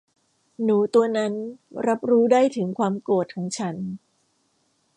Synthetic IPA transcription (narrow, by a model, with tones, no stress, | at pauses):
nuː˩˦t̪u˧ɐna˦˥nɾa˦˥p̚ɾuː˦˥daː˥˩jt̪ʰɯ˩˦ŋkʰwaː˧mku˨˩t̪̚kʰɔː˩˦ŋt͡ɕʰa˦˥n